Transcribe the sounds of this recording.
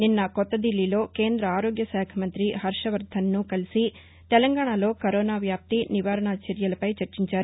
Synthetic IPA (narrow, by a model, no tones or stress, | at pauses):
ninːɐkɔt̪ːɐd̪ilːilo̞ːke̞ːnd̪ɾɐaːɾo̞ːɡjɐsaːkʰɐmɐnt̪ɾiɦɐɾʂɐʋɐɾd̪ʱɐnːukɐlisi | t̪ɛlɐŋɡaːɳalo̞ːkɐɾoːnaːʋjaːp̚t̪iniʋaːɾɐɳaːt͡ʃɛɾjɐlɐpɐjt͡ʃɐɾt͡ʃiɲt͡ʃaːɾu